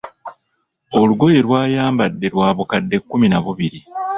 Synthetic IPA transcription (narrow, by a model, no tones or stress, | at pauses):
o̞luɡo̞je̞lwaːjaːmbadːe̞lwaːβukadːe̞kːuminaβuβiɾi